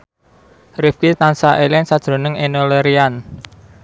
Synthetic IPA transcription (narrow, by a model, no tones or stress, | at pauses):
rifkit̪ansaʔelɪnsad̥ʒ̥ɾo̤nəŋenoleɾian